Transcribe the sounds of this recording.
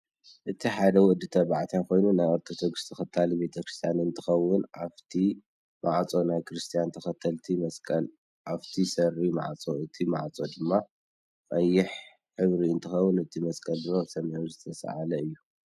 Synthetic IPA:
ʔɨt̪ʰiħad̪ɐwʊʔd̪ɨt̪ʰɐβaʕt̪ʰjako̞jnunajɐɾt̪ʰod̪o̞ɡɨst̪ʰɐxɐt̪ʰːalibe̞t̪ʰɐkɾɨst̪ʰijanɨnt̪ʰɨxɐwːʊnʔaft̪ʰi | mʔaʕt͡sʼo̞najkʰɾɨst̪ʰijant̪ʰɐxɐt̪ʰːɐlt̪ʰimɐskʼɐl | ʔaβt̪ʰisɐrima̰ʕt͡sʼo̞ʔɨt̪ʰima̰ʕt͡sʼo̞d̪ɨmːa | qʼɐjːɪħ | ħɨβɾiɨnt̪ʰɨxɐwːʊnɨt̪ʰimɐskʼɐld̪ɨɾosɐmhuzɨt̪ʰɐsa̰ʕalɐɨjːu

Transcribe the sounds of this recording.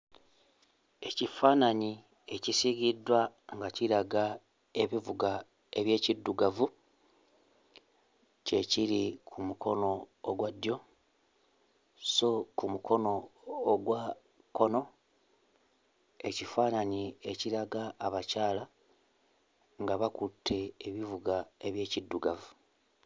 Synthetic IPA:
e̞cifaːnaɲi | e̞cisiɡidːwa | ŋɡaciɾaɡa | e̞βivuɡa | e̞βje̞ːcidːuɡavu | ce̞ciɾikʰumukʰo̞no̞ːɡwadːjo̞ | so̞kumukʰo̞no̞ːɡwa | ko̞no̞ | e̞cifaːnaɲie̞ciɾaɡaːβacaːla | ŋɡaβakutʰːe̞ːβivuɡae̞βje̞ːcidːuɡavu

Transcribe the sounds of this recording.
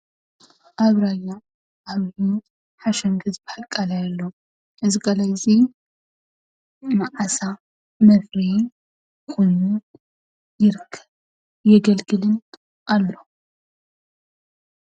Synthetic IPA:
ʔaβɾaja | ʔaβhi | ħaʃɐŋɡɨzbɨħalkʼalajalːo | ʔɨziɡalajzi | maʕasa | mɐfɾi | kojnu | jɪɾɨkʰːɨ̥β | jɛɡɐlɡɨlɨn | ʔalːo

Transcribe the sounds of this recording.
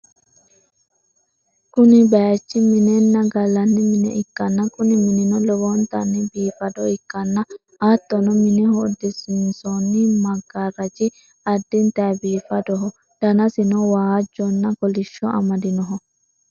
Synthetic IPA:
kʊnɪbɐt͡ʃːɪmɪnɛnːɐɡɐlɐnːɪmmɪnɛ̰ʔɪkːɐnːɐkʊnɪmɪnɪnɔlɛwɔnt̪ɐnːɪbiːfɐd̪ɔɪkːɐnːɐ | ʔɐt̪ːɔnɔmɪnɪhɔːd̪ɪsɪnsɔnːɪmɐɡːaɾɐt͡ʃɪ | ɐd̪ːɪnt̪ɐbiːfɐd̪ɔɦɔ | d̪̥ɐnɐsɪnɔwaːɐd͡ʒːɔnːɐkɔlɪʃːɔʔɐ̰mɐd̪ɪnɔɦɔ

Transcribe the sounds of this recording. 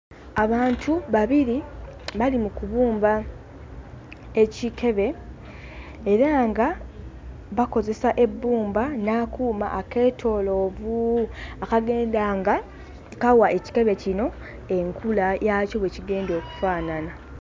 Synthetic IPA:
aβaːntʰuβaβiɾiβalimukuβuːmba | ecike̞βe̞ | eɾaːŋɡa | βako̞ze̞saʔe̞bːuːmbanaːkuːma̰ʔːke̞ːtʰo̞ːlo̞ːvuakaɡe̞ːndaːŋɡa | kawaʔe̞ci̥ke̞βe̞cino̞ | e̞ŋkʰulajaco̞βweciɡe̞ːndo̞ːku̥faːnana

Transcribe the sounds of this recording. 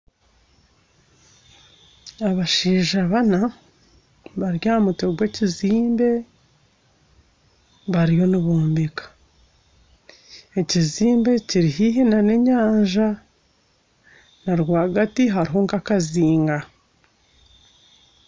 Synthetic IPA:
aβaʃiːʒaβana | βaɾjaːmute̞ɡwe̞ːciziːmbe̞ | βaɾijo̞niβuːmbikḁ | e̞ciziːmbe̞ciɾiɦiɦinane̞ɲaːɲʒa | naɾwaːɡatiɦaɾiɦo̞ŋkakaziːŋɡa

